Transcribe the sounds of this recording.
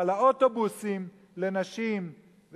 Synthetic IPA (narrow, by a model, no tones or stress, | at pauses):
laotobusim | le̞naʃim | v